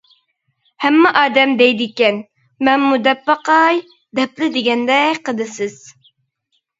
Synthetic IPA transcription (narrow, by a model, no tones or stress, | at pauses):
hɛmːɛʔɑːd̪ɛmd̪ɛjd̪ɪkʲɛn | mɛnmud̪ɛpːɑqɑj | d̪ɛplɪd̪ɪɡʲɛnd̪ɛqʰəd̪ɨsɪz̥